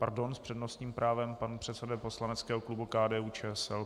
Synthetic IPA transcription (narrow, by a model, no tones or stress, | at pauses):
pa̰ɾdo̞nspr̥ɛdnost̪ɲiːmpɾʔaːvɛmpanpr̥ɛt̪sɛdɛpo̞slanɛt͡skɛːɦoklubukaːdɛːuːt͡ʃɛːɛsɛl